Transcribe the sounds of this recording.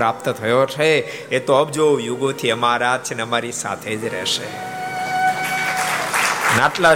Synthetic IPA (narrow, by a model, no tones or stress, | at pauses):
ɾap̚t̪ət̪ʰəjot͡ʃʰe | et̪oəbd͡ʒojuɡõt̪ʰiəmaɾat͡ʃʰeneəmaɾisa̰t̪ʰed͡ʒɾɛ̰ʃe | naʈla